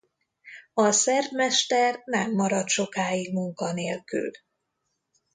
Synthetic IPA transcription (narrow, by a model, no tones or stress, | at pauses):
ɒsɛrd̪mɛʃt̪ɛrnɛmːɒɾɒt̪ʃo̞kaːjiɡ̚muŋkɒneːlky̰l